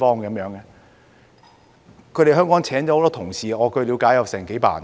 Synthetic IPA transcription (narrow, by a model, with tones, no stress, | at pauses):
fɔː˥ŋkɐ˨˥mjœː˨˧˥ŋɛ˧ | kʰjɾe˨˩ɦœː˥ŋkɔː˨˥ŋt͡sʰɛː˨˥nt͡ɕɔ˨˧˥ho˧wt̪ɔː˥t̪ʰʊ˨˩ŋsiː˨ɔː˨˧kɵ˧ɥliː˨˧wkaː˨˥jɐ˨wsɛː˨˩ŋke˨˥jpa̰ː˨˩n